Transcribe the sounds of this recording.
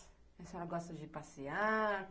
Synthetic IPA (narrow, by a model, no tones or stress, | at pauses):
ɛsɛlɐɡɔst̪ɐd͡ʒɪpasiaɾ